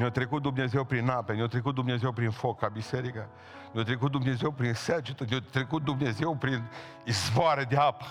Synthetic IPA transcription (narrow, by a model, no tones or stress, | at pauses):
mat̪ɾekut̪̚d̪umnezewpɾinapemʲjawt̪ɾek̬ut̪̚d̪umnezewpɾinfokabiseɾikə | mowt̪ɾekut̪̚d̪umnezewpɾinsed͡ʒit̪omʲot̪ɾekut̪̚d̪umnezewpɾin | izvoaɾed̪eapə̥